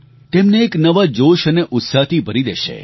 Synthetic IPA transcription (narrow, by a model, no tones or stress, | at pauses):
t̪emneːknəʋad͡ʒoʃəneʔʊt̪sat̪ʰibʱəɾid̪eʃḛ